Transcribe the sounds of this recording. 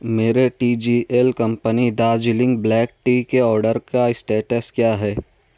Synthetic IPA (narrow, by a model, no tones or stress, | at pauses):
meːɾeʈiːd͡ʒiːʔelkɐ̃mpənid̪aːd͡ʒɪlɪ̃ŋɡ̚blɛːk̚ʈiːkeɔːɾɖəɾkaɪsʈeːʈəskjaːɦɛː